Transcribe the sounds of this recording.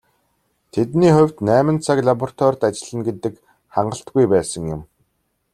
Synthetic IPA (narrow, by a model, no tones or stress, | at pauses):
t̪ʰet̪niːχʊ̟wʲt̪næːmə̆nt͡sʰakɮapɔrt̪ʰwɔrʲt̪at͡ɕɪ̆ɮə̆nɡet̪ɘ̆k | χaɴɢə̆ɬt̪̚ɡujpæːsə̆ŋjʊ̆m